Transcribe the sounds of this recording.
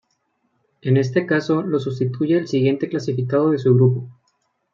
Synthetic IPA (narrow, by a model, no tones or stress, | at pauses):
e̞ne̞s̬t̪e̞kaso̞lo̞sus̬t̪it̪uʝe̞ːlsiɣje̞nt̪e̞klasifikað̞o̞ð̞e̞s̬uɣɾupo̞